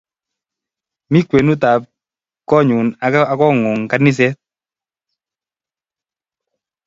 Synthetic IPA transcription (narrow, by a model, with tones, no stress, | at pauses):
mi˦kwe˨nu˦t̪a˨p̚ | kɔ˦ɲʊ˨na˨kɔ˦ŋʊ˨ŋka˦nɪ˦s̬ɛ˦t̚